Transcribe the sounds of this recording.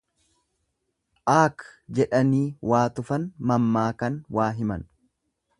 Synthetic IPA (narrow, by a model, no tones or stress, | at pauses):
ʔaːkd͡ʒɛᶑɐniːwaːt̪ʊfɐnmɐmːaːkɐnwaːɦɪmɐn